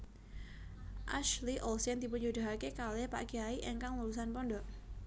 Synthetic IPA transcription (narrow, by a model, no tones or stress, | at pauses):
ʔa̰ʃliʔɔlsɛnt̪ipuɲd͡ʒud̪a̤ɦakekalehpa̰ʔɡ̥iaiʔeŋkaŋlulus̬anpɔndɔʔ